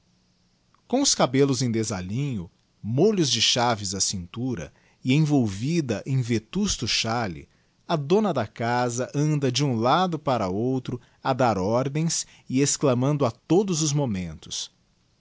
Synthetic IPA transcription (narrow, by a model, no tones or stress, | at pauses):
kõw̃ʊskabelʊzẽj̃d̪ezaʎĩɲʊ | moʎʊzd͡ʒɪʃavɪzɐsĩnt̪uɾɐ̰ | ɪẽj̃vowvid̪ɐʔẽj̃vet̪ust̪ʊʃalɪ̰ | ɐd̪õnɐd̪ɐkazɐʔɐ̃nd̪ɐd͡ʒɪũlad̪ʊpaɾɐowt̪ɾʊ | ɐd̪aɾɔɾd̪ẽj̃s | ɪesklɐmɐ̃nd̪ʊɐt̪od̪ʊzʊzmomẽnt̪ʊ̥s